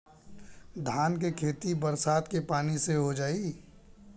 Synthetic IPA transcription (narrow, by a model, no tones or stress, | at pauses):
d̪ʱaːnkekʰeːt̪ibəɾsaːd̪kepaːniseɦod͡ʒaːi